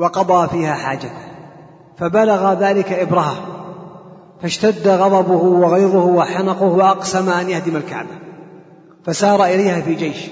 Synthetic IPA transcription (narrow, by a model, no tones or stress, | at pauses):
wɑqɑd̪ˤɑːfiːhaːħaːd͡ʒat̪a | fabalaɣaðaːlɪkaʔɪbɾɑha | faʃt̪ad̪ːaɣɑd̪ˤɑbʊhʊwɑɣajɾʊhʊwaħanɑqʊhwɑʔɑqsamaʔanjahd̪ɪmalka̰ʕba | fasɑːɾˤɑʔɪlajhaːfiːd͡ʒejʃ